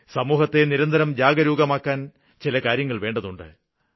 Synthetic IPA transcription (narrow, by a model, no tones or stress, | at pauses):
sɐmuːɦɐt̪ːe̞niɾɐnd̪ʱɐɾɐmd͡ʑaːɡɐɾuːɡɐmaːkːaːn | t͡ɕilɐkaːɾjɐŋːɐɭʋe̞ːɳɖɐðuɳɖɨ̰